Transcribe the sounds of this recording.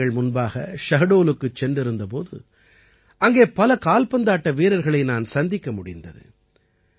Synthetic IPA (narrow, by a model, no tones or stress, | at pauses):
ɐɭmʊnbaːɣɐʃɐɣɐɽoːlɯkːɯt͡ʃːɛndrɪɾɯnd̪ɐp̬o̰ːðɯ̰ | ʔɐŋɡeːpɐlɐkaːlpɐnd̪aːʈːɐʋeːɾɐɾɣɐɭɐɪnaːnsɐnd̪ɪkːɐmʊɽɪnd̪ɐ̰ðɯ̰